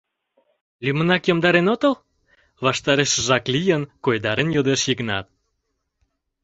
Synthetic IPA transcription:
lʲymə̆nɑkjomd̪ɑɾenot̪əl | βɑʃt̪ɑɾeʃʒɑklʲijənkojd̪ɑɾenjod̪eʃjiknɑ̰t̪̚

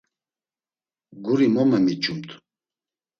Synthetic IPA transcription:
ɡuɾimɔmɛmit͡ʃʼumt̪ʰ

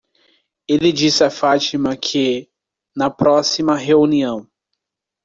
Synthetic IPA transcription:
elɪd͡ʒisɪɐfat͡ʃimɐkʰɪ | nɐpɾɔsimɐɦeuniɐ̃w̃

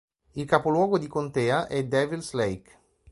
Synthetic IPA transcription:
ilkapolwɔːɡod̪ikont̪ɛːaʔɛd̪ɛːvilslɛjk

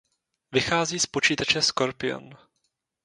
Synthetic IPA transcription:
vɪxaːziːspo̞t͡ʃiːt̪at͡ʃɛsko̞ɾpɪo̰n

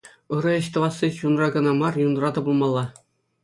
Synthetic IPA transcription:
ɯɾɤ̆ɘ̆ɕt̪ɤ̆ʋɑsːiɕunrɑɡɤ̆nɑmɑrjunrɑt̪ɤ̆bɤ̆lˠmɑlˠːɑ

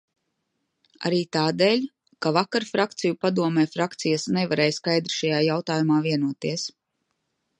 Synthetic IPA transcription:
a̰ɾiːt̪aːd̪eːlʲ | kavakaɾfɾak̚t̪sijupad̪uɔmɛːfɾakt̪sijasnɛvaɾɛːjskajd̪ɾi̥ʃajaːjawt̪aːjumaːviɛnuɔt̪iɛs

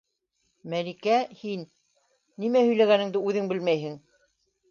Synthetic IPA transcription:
mælikæhinː | imæhɵ̆jlæɣænɘ̆ŋd̪ɘʉðɘŋbɘlmæjɦɘ̆ŋ

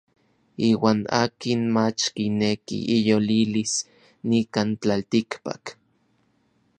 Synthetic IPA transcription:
iːwaːna̰ːkinmat͡ʃkinekḭʔijolilis | nikant͡ɬalt̪ikpa̰k

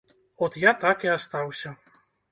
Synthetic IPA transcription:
ɔt̪jat̪akiast̪awsʲɐ

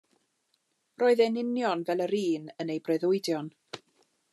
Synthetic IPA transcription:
rʔoːɨðɛnɪnjɔnvɛlˠəɾiːnənejbrɛðʊɨdjɔn

